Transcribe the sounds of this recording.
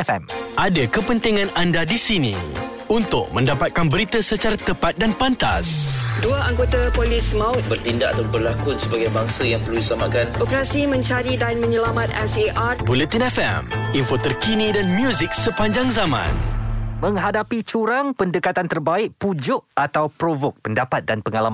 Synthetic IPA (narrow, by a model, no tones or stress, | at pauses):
fɛ̰mʔadakəpənt̪iŋãnandadisinḭ̃ | unt̪ʊk̚mə̃ndapat̪̚kanbəɾit̪əsət͡ʃaɾat̪əpat̪̚danpant̪a̰sduaaŋɡot̪apolɪsmaʊtbərt̪indaʔat̪abərlakʊt̪səbaɡajbaŋsəjaŋpərludisəlamat̪̚kanʔopəɾasimə̃ɲt͡ʃaɾidanmə̃ɲəlamãt̪̚ɛseʔabulət̪inɛfɛ̰minfot̪ərkinĩdanmjuzik̚səpaɲd͡ʒaŋzamã̰nmə̃ŋɦadapit͡ʃuɾaŋpəndəkat̪ant̪ərbaɪk̚pud͡ʒʊʔat̪awpɾovʊk̚pəndapat̪̚danpəŋalam